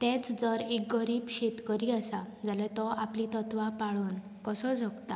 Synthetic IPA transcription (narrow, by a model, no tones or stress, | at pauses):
t̪ɛ̃t͡sd͡zəɾek̚ɡəɾiːbɕet̪kəɾiasa | d͡zalɛ̃t̪ɔaplit̪ət̪ʋapaɭuːn | kəsɔd͡zʱɔɡt̪a